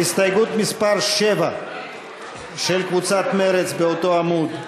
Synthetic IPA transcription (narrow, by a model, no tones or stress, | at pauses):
ist̪ajɡut̪mispaɾʃɛva | ʃɛlkvut͡sat̪meɾɛt͡sbeot̪oamud̪